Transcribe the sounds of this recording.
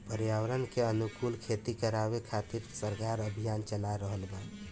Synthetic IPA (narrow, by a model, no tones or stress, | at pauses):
pəɾjawəɾənkeənukulkʰet̪ikəɾabekʰat̪iɾsəɾkaɾəbʱijant͡ʃəlaɾəɦəlba